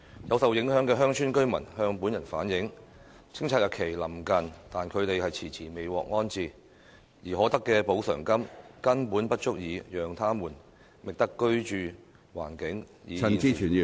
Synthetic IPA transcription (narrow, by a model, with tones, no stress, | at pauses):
jɐ˨˧wsɐ˨wjɪ˨˥ŋhœː˨˥ŋkɛː˧ɦœː˥ŋt͡ʃʰyː˥nkɵ˥ɥmɐ̰˨˩nhœː˧ŋpuː˨˥njɐ˨˩nfa̰ː˨˥njɪ˨˥ŋ | t͡sʰɪ˥ŋt͡sʰaː˧t̚jɐ˨t̚kʰe˨˩jlɐ˨˩mkɐ˨nt̪aː˨nkʰɵ˨˧ɥt̪e˨jhɐ˨jt͡sʰiː˨˩t͡sʰiː˨˩me˨˧jwɔ̰ː˨k̚ŋɔː˥nt͡siː˨˩ | jiː˨˩ɦɔː˨˥t̪ɐ˥kːɛː˧po˨˥wsœː˨˩ŋkɐ˥mkɐ˥npuː˨˥npɐ˥t̚t͡ʃʊ˥k̚jiː˨˧jœː˨ŋt̪ʰaː˥muː˨˩n | mɪ˨k̚t̪ɐ˥kːɵ˥ɥt͡ʃyː˨˧ | wa̰ː˨˩nkɪ˨˥ŋjiː˨ɐ˨n˨t͡siː˥t͡ʃʰyː˨˩nji˨